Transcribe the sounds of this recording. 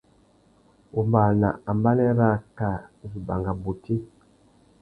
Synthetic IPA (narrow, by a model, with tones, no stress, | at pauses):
u˨mba˨na̰˨a˨mba˦nɛ˦ɾa˦ka˨n˨zu˨ba˨ŋɡa˨bu˨tʰi˦